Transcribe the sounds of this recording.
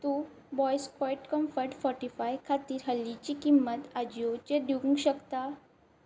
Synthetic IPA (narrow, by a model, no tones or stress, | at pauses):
t̪u | bɔjskɔjʈkɔmfəjʈfɔɾʈifajkʰat̪iːɾɦəlːit͡ɕikimːət̪ad͡ʑiot͡ɕed̪ʱiũŋɡɕəkt̪a